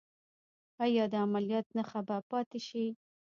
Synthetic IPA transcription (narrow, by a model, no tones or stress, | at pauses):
ajɑd̪əamalijɑt̪naxabapɑt̪eʃi